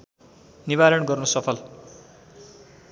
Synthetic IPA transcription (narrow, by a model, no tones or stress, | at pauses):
nibaɾʌnɡʌrnosʌpʰʌl